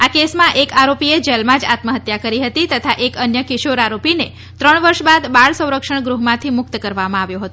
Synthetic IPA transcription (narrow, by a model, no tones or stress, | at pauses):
akesmãʔekaɾopied͡ʒəlmãd͡ʒa̰t̪məɦət̪jakəɾiɦət̪it̪ət̪ʰaʔekənjəkɪʃoɾaɾopine | t̪ɾəɳʋəɾʃbad̪baɭsə̃w̃ɾəkʃəɳ̃ɡɾuɦmãt̪ʰimʊk̚t̪kəɾʋamãaʋjõɦət̪õ